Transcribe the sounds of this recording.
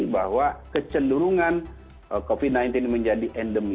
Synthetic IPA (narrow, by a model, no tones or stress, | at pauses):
baɦwakət͡ʃəluɾuŋãn | kofid̚nãjnt̪inmə̃ɲd͡ʒadiʔɛndəmi